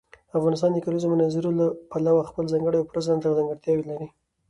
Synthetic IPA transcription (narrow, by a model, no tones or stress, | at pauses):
afɣɑnɪs̬t̪ɑnd̪əkalnizomʊnɑzɪɾolapalawaxpəlzɑŋɡəɽəjopɾazant̪azaŋɡəɽt̪jɑwelaɾi